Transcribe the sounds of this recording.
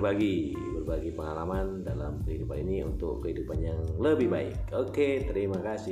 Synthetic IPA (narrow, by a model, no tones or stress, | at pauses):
baɡi | bərbaɡipəŋalamandala̰mkəhidupaniniṵnt̪ʊ̰kːəhidupanjaŋləbɪhbaɪ̰koket̪əɾimakasɪ